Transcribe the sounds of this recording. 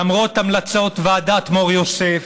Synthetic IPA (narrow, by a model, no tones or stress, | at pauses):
amʁot̪amlat͡so̞t̪vead̪at̪moʁjosef